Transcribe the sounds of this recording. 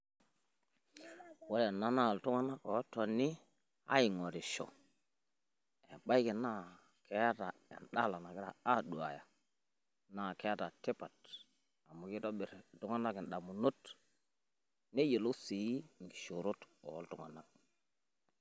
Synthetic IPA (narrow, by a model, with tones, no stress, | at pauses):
wo˦le˨nːa˦na˦˨ltu˦ŋa˦na˦ko˨˦tːo˨ni˦ | a̰˦ji˨ŋo˨ɾi˨ʃo̰˨ | e˨ba˦i˦ki˨na˦ | ke˨ja˦ta˨ḛ˨nɗa˦la˨na˨ki˦ɾa̰˨a˦du˨a̰˨ja˨ | na˦˨ke˦ja˦ta˨te˦pa˨t | a˨mu˨ki˦to˦ɓi˨ɾtu˦ŋa˦na˦ki˨nɗa˨mu˨nu˦t | ne˦je˨lo˦si˨ji˦ŋ˨ɡi̥˨ʃu˨ɾu˦to̰˨o̰˦ltṵ˦ŋa̰˨na˦k̚